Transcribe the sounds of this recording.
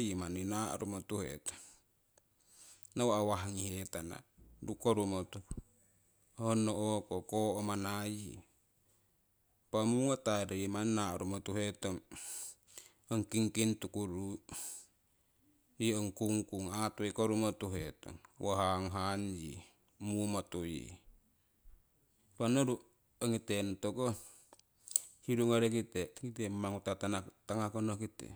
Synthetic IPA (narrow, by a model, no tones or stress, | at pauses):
jimaninaʔɾumot̪uhḛt̪ɔ̥ŋ | nawaawaɦaŋihet̪ana̰ɾukoɾumot̪u | honoʔokokoʔomanajḭ | pamuwat̪aɾaimannaʔɾumot̪uɦet̪ɔŋ | ɔŋkiŋkint̪ukuɾu | jiəŋkuŋkuŋat̪oikoɾumat̪uɦet̪o̰ŋwʔaɦaŋɦand͡ʒḭ | mumat̪ojḭ | panoɾu | əŋit̪ent̪oko | hiɾuŋaɾekit̪ekit̪emmaŋut̪at̪anat̪aŋakonokit̪ḛ